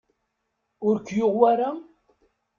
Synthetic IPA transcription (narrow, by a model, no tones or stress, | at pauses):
ʊɾkːjʊʁwaɾa